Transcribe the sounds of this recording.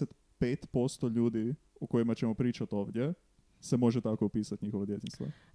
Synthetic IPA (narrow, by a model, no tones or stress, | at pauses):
ɛt̪ | peːt̪poːst̪oʎuːd̪i | okojimat͡ʃɛmɔpɾiːt͡ʃat̪oːʋd̪jɛ | sɛmoʒɛt̪aːkoupiːsat̪nɲiːxoʋod̪jet̪inst̪ʋo̰